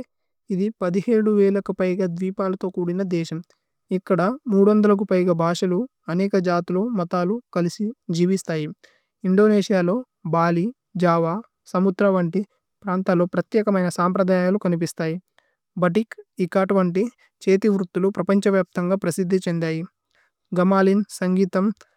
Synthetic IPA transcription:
id̪ipɐd̪iheːɽuʋɛːlɐkupɐjɡaːd̪ʋiːpaːlɐt̪o̞ːkuːɽinɐd̪ɛːʃɐm | ikːɐɽɐmuːɽuʋɐnd̪ɐlɐk̬upɐjɡaːbʱaːʂɐlu | ɐnɛːkɐd͡ʒaːt̪uloːmɐt̪aːlukɐlisid͡ʒiːʋist̪aːji | iɳɖo̞ːneːʂijaːlo̞ː | baːli | d͡ʒaːʋaː | sɐmud̪ɾɐʋɐɳʈi | pɾaːnt̪aːlo̞ːpɾɐt̪jɛːkɐmɐjnɐsaːmpɾɐd̪aːjaːlukɐnip̬ist̪aːji | bɐʈikikːaːʈʋɐɳʈ̬i | t͡ʃeːt̪iʋɾut̪ːulupɾɐpɐɲt͡ʃɐʋjaːp̚t̪ɐŋɡaːpɾɐsid̪ʱːit͡ʃend̪aːji | ɡɐmaːlinsɐŋɡiːt̪ɐm

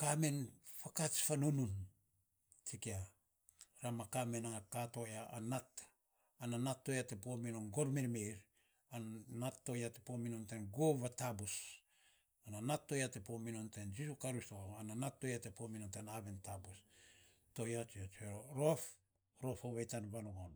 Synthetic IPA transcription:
kame̞nfakat͡ʃfanunun | t͡ʃikia | ɾamakame̞nakato̞jaʔanat | ananatːo̞jate̞pominonɡoɾmeɾmeɾ | annatːo̞jatepominontenɡoβatabus | ananatːo̞jatepominontend͡ʒisukaɾistoananatːo̞jate̞pominontenaβentabus | to̞jat͡ʃiot͡ʃeɾoɾof | ɾo̞foβejtanβanoɡon

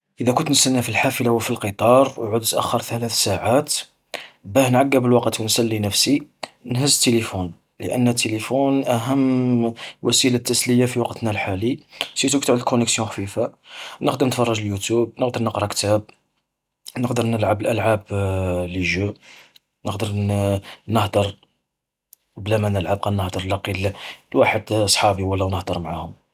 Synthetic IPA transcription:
ʔəd̪ækʊnt̪nəst̪ænːæfilħafəlawəfilqət̪ˤɑɾˤwʕʊd̪t̪ʔæ̰xːɑɾˤθælæθsaʕat̪ | bæhnʕaɡːæbəlwɑqət̪wənsælːinəfsinhəzːət̪ːelifun | lə̰ʔə̰nːhæt̪ːelifunʔæɦəmː | wʔæsilat̪ːæsləjafiwɑqt̪nalħalisit̪ukt̪ʕd̪əlkʊnəksjũxfifanəqd̪əɾnət̪fɑrˤːɑʒəljut̪jub̚nəqd̪əɾˤnəqɾˤɑkt̪æb̚ | nəqd̪əɾˤnəlʕabəlʔælʕabliʒə | nəqd̪əɾ | nəhd̪əɾˤ | blæmænəlʕab̚qænːəhd̪əɾˤlɑqːillwaħəd̪sˤħɑbiwəlːæwnəhd̪əɾˤmʕahʊm

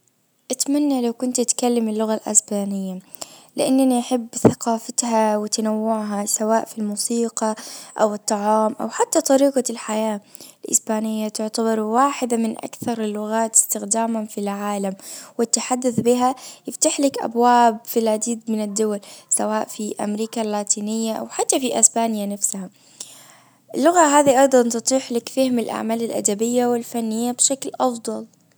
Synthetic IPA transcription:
ʔat̪manːalawkʊnt̪ʔat̪kalːamɪlːʊɣalʔa̰sbaːnɪjːa | lɪʔanːaniħɪbːθaqɑːfat̪hawɪt̪anawːʊʕɦasawaːʔfilmuːsiːqɑʔawɨt̪ˤːɑʕɑːmʔa̰wħat̪ːat̪ˤɑɾiːqɑlħajaː | lʔɪ̰sbaːnɪjːat̪ʊʕt̪abɑɾˤwaːħɪd̪amɪnʔa̰kθɑɾˤɪlːʊɣaːt̪ɪ̥st̪ɪxd̪aːmafilʕaːlamwɪt̪ːaħad̪ːʊθbɪɦajɪft̪aħlɪkʔa̰bwaːbfilʕad̪iːd̪mɪnɪd̪ːʊwalsawaːʔfiʔa̰mɾiːkalːaːt̪iːnɪjːaʔa̰wħat̪ːafiʔɪsbaːnjanafsaha | ʔɪlːʊɣaɦaːðiʔɑjd̪ˤɑnt̪ɨt̪ˤiːħlakfahmɪlʔa̰ʕmaːlɪlʔa̰d̪abɪjːawɪlfanːɪjːabʃaklʔɑfd̪ˤɑl

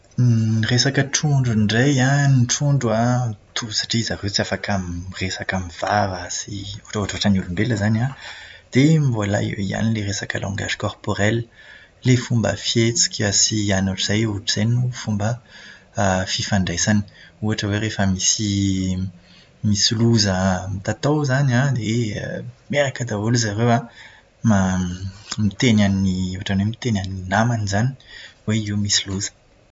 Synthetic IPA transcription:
resakəʈ͡ʂʰuɳɖ͡ʐuɳɖ͡ʐajãniʈ͡ʂuɳɖ͡ʐwat̪ʰusḁʈ͡ʂizaket͡siafakʰamiresakamiv̥avasiuʈ͡ʂuaʈ͡ʂaʈ͡ʂanulumbeləzanad̪̥emvola̰ḭwḛia̰nileʁesakə̰lʔɔ̰̃ŋɡa̰ʒi̥kɔrpoʁɛlː | efumbə̰fjet͡si̥kʲʰəsianuʈ͡ʂz̥ajuʈ͡ʂiz̥ajnufumbə | fifaɳɖ͡ʐajzani̥uaʈ͡ʂəweʁefəmisi | misiluzəmit̪at̪awzanad̪ḛ | meɾakəd̪auluzaʁewa | ma | mit̪enaniuaʈ͡ʂanwemit̪enaninamanizani̥weiwmisiluzə̥

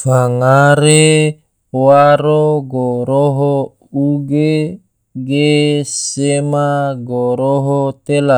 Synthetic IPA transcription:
faŋaɾe | waɾoɡoɾoɦo | uɡe | ɡesemaɡoɾoɦot̪ela

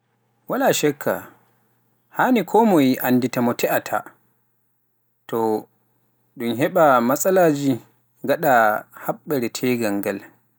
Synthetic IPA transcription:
walaʃɛkʰːa̰ | hanikʰɔmɔjiʔanːditamɔtʰɛʔatʰa̰ | tɔ | ɗumɦɛɓamasʼalaːd͡ʒi | ɡaɗahaɓːɛɾɛtʰɛɡaŋɡal

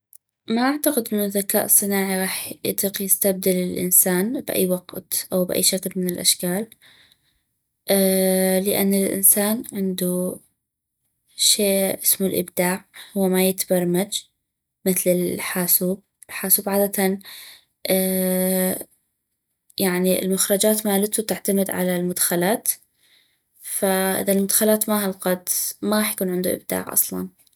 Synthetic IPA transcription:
maʔaʕt̪aqɪd̪ʔɪnːʊðaka̰ːʔɨsˤːɨnaːʕiɣɑːħjɪ̰t̪ˤiːqjɪst̪ab̚d̪alɪlʔɪ̰nsaːnbɪʔa̰jːwɑɡt̪ʔawbʔa̰jːʃaklmɪnɪlʔa̰ʃkaːl | ʔalɪʔa̰nːɪlʔɪ̰nsaːnʕɪnd̪u | ʃeːʔɪsmulʔɪ̰bd̪aːʕhʊwːamajɪt̪bɑɾˤmad͡ʒ | mɪθlɪlħaːsuːb̚ | ɪlħaːsuːbʕaːd̪at̪an | ʔ | jaʕniɪ̰lmʊxɾˤɑd͡ʒaːt̪maːlat̪ut̪aʕt̪amɪd̪ʕa̰lalmʊd̪xalaːt̪ | faʔɪ̰ðalmʊd̪xalaːt̪mahɑlqɑd̪maɣɑːħjḁkuːnʕɪnd̪ṵʔɪ̰b̚d̪a̰ːʕʔɑ̰sˤlɑ̰n

